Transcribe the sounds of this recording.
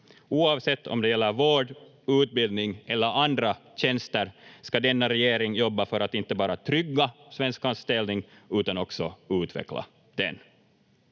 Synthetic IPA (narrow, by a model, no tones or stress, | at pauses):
uːɑːvsɛt̪ʰːɔ̰md̪ɛjɛlːəɾvoːɖ | ʉːt̪̚bɪld̪nɪŋʔɛlːəɾand̪ɾaɕɛnst̪əɾskad̪ɛnːaɾɛjeːɾɪŋjɔbːafœɾat̪ɪnt̪ːəbɑːɾat̪ʰɾʏɡːasvɛnskɑnst̪ɛlnɪŋ | ʉːt̪anɔksɔʉːt̪vɛ̰kla̰ | d̪̥ɛ̰n